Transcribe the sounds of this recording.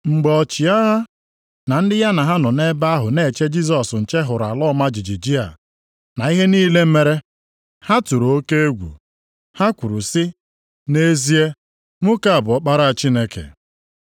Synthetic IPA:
ŋ͡m̩˨ɡ͡bɔ˨ɔ˨t͡ʃi˨a˦ɦa˦ | na˨n̩˦dɪ˦ja˦na˨ɦa˦nɔ˨ne˦ba˦a˦ɦʊ˨ne˦˨t͡ʃe˦d͡ʒi˦s̬ɔ˨sn̩˨t͡ʃe˦ɦʊ˨ɾa̰˨lɔ˦ma˦d͡ʒi˨d͡ʒi˨d͡ʒi˦a̰˨ | na˨i˦ɦe˦niː˦le˦m̩˦me˦ɾe˦ | ha˦tu˨ɾo˨o˦ke˦e˦ɡʷṵ˨ | ha˦kʷu˨ɾu˨sɪ˦ | ne˦zi˦e˦ | mʊ˦ka˦a˨bʊ˨ɔ˦k͡pa˦ɾa˦a˨t͡ʃi˦ne˦kḛ˨

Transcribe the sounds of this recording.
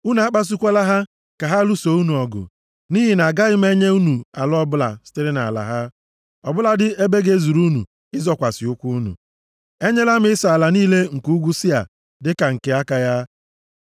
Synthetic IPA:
u˦nu˨a˦k͡pa˦s̬u˦kʷe˦la˦ɦa˦ | ka˨ɦa˦lu˦so˨˦u˦nu˨ɔ˨ɡʊ̰˨ | ni˦ɦi˨na˨ɡa˦ɪ˦m˦e˦ɲe˦u˦nu˨a˨lɔ˦bʊ˦la̰˨sɪ̥˦te˦ɾɪ˦na̰˨la̰˨ɦa˦ | ɔ˨bʊ˦la˨dɪ˦e˦be˦ɡe˦zu˨ɾu˦nṵ˨ | ɪ˦zɔ˨kʷa˨sɪ˨ʊ˦kʷu˦nṵ˨ | e˦ɲe˦la˦m˦ɪ˦sɔ˨a˨la˨niː˦le˦ŋ̩˨ku˦ɡʷu˦sɪ˦a̰˨ | dɪ˦ka˨ŋ̩˨ke˨a˦ka˨ja˦

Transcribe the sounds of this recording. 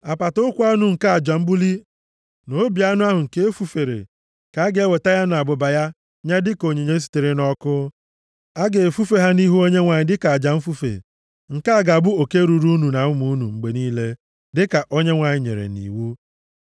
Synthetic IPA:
a˨pa˨tʊ˦ʊ˦kʷu˦a˦nu˨ŋ̩˨ka˦a˨d͡ʒa˨m̩˦bu˦li˦ | no˨˦bi˨˦a˦nʊ˦a˦ɦʊ˨ŋ̩˨ke˦e˦fu˦fe˨ɾḛ˨ | ka˨a˦ɡe˨˦e˦we˨ta˦ja˦nʊ˨a˨bʊ˨ba˨ja˦ | ɲa˦dɪ˦ko˨ɲe˨ɲe˦s̬i̥˨te˨ɾe˦nɔ˦kʊ˦ | a˦ɡe˨e˨fu˦fe˦ɦa˦ni˦ɦu˦o˦ɲe˦ŋʷa˨ɲɪ˨dɪ˦ka˨a˨d͡ʒa˨m̩˦fu˦fḛ˨ | ŋ̩˨ka˦a˨ɡa˨bʊ˦o˨ke˦ɾu˨ɾu˦nu˨na˨ʊ˦mu˨˦nṵ˨ŋ͡m̩˨ɡ͡be˨niː˦le˦ | dɪ˦ka˨ʔo˦ɲe˦ŋʷa˨ɲɪ˨˦ɲḛ˨ɾḛ˨nḭ˨wu˦

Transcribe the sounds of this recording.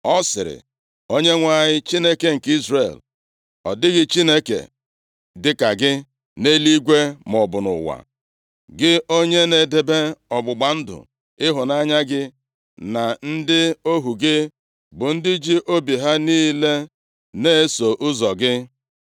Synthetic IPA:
ɔ˦sɪ̰˨ɾɪ̰˨ | o˦ɲe˦ŋʷa˦˨ɲɪ˦t͡ʃi˦ne˦ke˨ŋ̩˨ki˦zrḛ˨l | ɔ̰˨dɪ˦ɣɪ˦t͡ʃi˦ne˦kḛ˨ | dɪ˦ka˨ɡɪ˦ | ne˦li˦ɡʷe˦mɔ˨bʊ˨nʊ̰˨wa̰˨ | ɡɪ˦o˦ɲe˦ne˨de˨be˦ɔ˨ɡ͡bʊ˨ɡ͡ba˨n̩˦dʊ̰˨ | ɪ˦ɦʊ˨na˦ɲa˦ɡɪ˦ | na˨n̩˦dɪ˦o˦ɦu˨ɡɪ˦ | bʊ˨n̩˦dɪ˦d͡ʒi˦ʔo˦bi˨ɦa˦niː˦le˦ | ne˦e˦so˨ʔʊ˦zɔ˨ɡɪ˦

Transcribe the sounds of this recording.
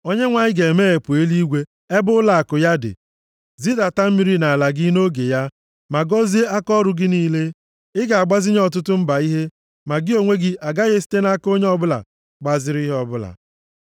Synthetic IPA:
o˦ɲe˦ŋʷa˨ɲɪ˦ɡe˨meː˦e˨pʊ˨e˦li˦ɡʷe˦ | e˦bʊ˦ʊ˦la˨a˨kʊ˨ja˦dɪ̰˨ | zi˦da˨ta˦m̩˦mi˦ɾi˦na˨a˨la˨ɡɪ˦no˦ɡe˨ja˦ | ma˨ɡɔ˦zi˦e˦a˦kɔ˦ɾʊ˦ɡɪ˦niː˦le˦ | ɪ˦ɡa˨a˨ɡ͡ba˦zɪ˦ɲ˦ɔ˨t̬ʊ˦tʊ˦m̩˦ba˨i˦ɦe˦ | ma˨ɡɪ˦o˦ŋʷe˦ɡɪ˦ʔa˨ɡa˦ɣe˦s̬i̥˦te˦na˦ko˦ɲe˦ɔ˦bʊ˦la̰˨ | ɡ͡ba˨zɪ˦ɾi˦ɦɔ˦bʊ˦la̰˨

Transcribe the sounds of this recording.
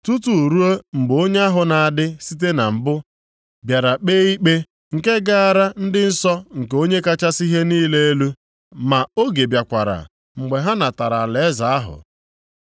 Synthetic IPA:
tu˦tu˨ɾu˦o˦ŋ͡m̩˨ɡ͡bo˦ɲe˦a˦ɦʊ˨na˨a˨dɪ˦si˦t̬e˦na˨m̩˨bʊ˦ | bja˨ɾa˨k͡peː˦i˦k͡pe˦ | ŋ̩˨ke˦ɡa˦a˨ɾa˦n̩˦dɪ˦n̩˦sɔ˦ŋ̩˨ko˦ɲe˦ka˦t͡ʃa˦si˦ɦe˦niː˦le˦e˦lu˦ | ma˨o˦ɡe˨bja˨kʷa˨ɾa̰˨ | ŋ͡m̩˨ɡ͡be˨ɦa˦na˨ta˨ɾa˨lza˨a˦ɦʊ̰˨

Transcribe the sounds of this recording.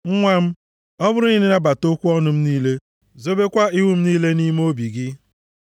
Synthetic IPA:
ŋ̩˦ŋʷa˦m̩˦ | ɔ˦bʊ˦ɾʊ˦i˦ne˦na˨ba˨to˦kʷu˦ɔ˦nʊ˨m̩˦niː˦le˦ | zo˦be˦kʷa˦i˦wu˦m̩˦niː˦le˦ni˦m˦o˦bi˨ɡɪ˦

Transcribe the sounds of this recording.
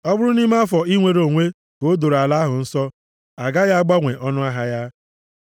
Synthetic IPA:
ɔ˦bʊ˦ɾʊ˦ni˦ma˦fɔ˨i˦ŋʷe˨ɾo˨ŋʷe˦ | ko˨˦do˨ɾa˨la˦ɦʊ˨n̩˦sɔ˦ | a˨ɡa˦ja˦a˦ɡ͡ba˦ŋʷe˨ʔɔ˦nʊ˦a˦ɦa˦ja˦

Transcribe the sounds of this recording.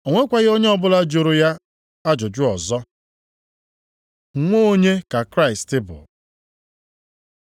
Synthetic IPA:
o˨ŋʷe˦kʷa˨ɣɪ˦o˦ɲe˦ɔ˦bʊ˦la˦d͡ʒo˨ɾo˨ja˦ | a˦d͡ʒʊ˨d͡ʒʊ˦ɔ˨zɔ˦ | ŋ̩˨ŋʷo˦ɲe˦ka˨kɾa˦ɪ˨stɪ˦bʊ̰˨

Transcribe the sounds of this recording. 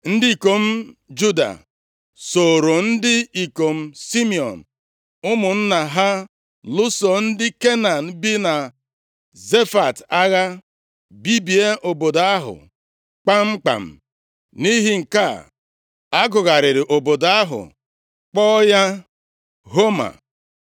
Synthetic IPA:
n̩˦dɪ˦i˨ko˨m̩˦d͡ʒu˦da̰˨ | so˨ɾo˨n̩˦dɪ˦i˨ko˨m̩˦si˦mi˨ɔ̰˨n̩˨ | ʊ˦mʊ˨n̩˦na˨ɦa˦ | lʊ˦sɔ˨n̩˦dɪ˦ke˦na˨n̩˨bi˦na˨ | ze˦fa˨ta˦ɣa˦ | bi˦bi˨e˦ʔo˨bo˨da˦ɦʊ̰˨ | k͡pa˦ŋ͡m̩˦k͡pa̰˨m̩˨ | ni˦ɦɪ˦ŋ̩˨ka˦ | a˦ɡʊ˨ɣa˨ɾɪ˨ɾɪ˨ʔo˨bo˨da˦ɦʊ̰˨ | k͡pɔː˦ja˦ | ɦo˦ma̰˨

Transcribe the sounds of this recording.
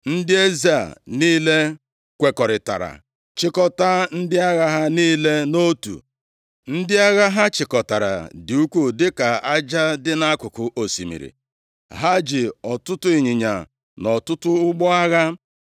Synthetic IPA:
n̩˦dɪ˦e˦za˦˨niː˦le˦ | kʷe˨kɔ˨ɾɪ˨ta̰˨ɾa̰˨ | t͡ʃɪ˦kɔ˦ta˦n̩˦dɪ˦a˦ɣa˦ɦa˦niː˦le˦no˦tṵ˨ | n̩˦dɪ˦a˦ɣa˦ɦa˦t͡ʃɪ˨kɔ˨ta˨ɾa̰˨dɪ˨u˦kʷu˦dɪ˦ka˨a˦d͡ʒa˦dɪ˦na˦kʊ˨kʊ˨ʔo˨sḭ˨mḭ˨ɾḭ˨ | ɦa˦d͡ʒɪ˨ɔ˨tʊ˦tʊ˦i˨ɲi˨ɲa˨ | nɔ˨tʊ˦tʊ˦ʊ˦ɡ͡bɔ˦a˦ɣa˦

